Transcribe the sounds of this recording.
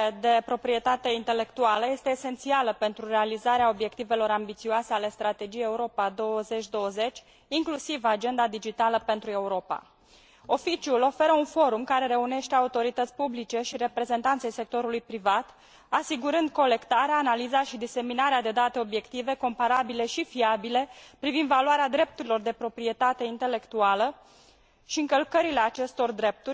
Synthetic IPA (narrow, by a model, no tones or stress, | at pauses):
ed̪e̞pɾo̞pɾie̞t̪at̪e̞int̪e̞le̞kt̪ualəje̞st̪e̞ːse̞nt̪sialəpe̞nt̪ɾurealizaɾeao̞bje̞kt̪ive̞lo̞ɾambit̪sioase̞ale̞st̪ɾat̪e̞d͡ʒijeeuɾo̞pad̪o̞wəze̞t͡ʃʲd̪o̞wəze̞t͡ʃʲ | iŋklusivad͡ʒe̞nd̪ad̪id͡ʒit̪aləpe̞nt̪ɾue̞uɾo̞pa̰ | o̞fit͡ʃiulo̞fe̞ɾəunfo̞ɾumkaɾe̞ɾe̞une̞ʃt̪e̞aut̪o̞ɾit̪ət̪sʲpublit͡ʃe̞ʃiɾe̞pɾe̞ze̞nt̪ant̪se̞jse̞k̚t̪o̞ɾulujpɾivat̪ | asiɡuɾɨnd̪̚ko̞le̞kt̪aɾeaːnalizaʃid̪ise̞minaɾead̪e̞d̪at̪e̞o̞bje̞kt̪ive̞ko̞mpaɾabile̞ʃifiabile̞pɾivind̪valuaɾead̪ɾe̞p̚t̪uɾilo̞rd̪e̞pɾo̞pɾie̞t̪at̪e̞int̪ele̞kt̪ualə | ʃiɨŋkəlkəɾile̞at͡ʃe̞st̪o̞rd̪ɾe̞p̚t̪urʲ